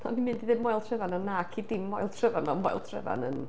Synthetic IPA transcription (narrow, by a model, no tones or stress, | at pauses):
aminmɪndiðɪmːɔjlˠtʰrɛvananːaːkʰidɪmːɔjlˠtʰrəvanmamɔ̰jlˠtʰrɛ̰va̰nə̰n